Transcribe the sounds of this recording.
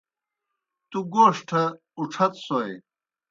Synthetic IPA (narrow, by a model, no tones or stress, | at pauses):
t̪uɡoːʂʈʰɐ | uʈ͡ʂʰɐt̪soj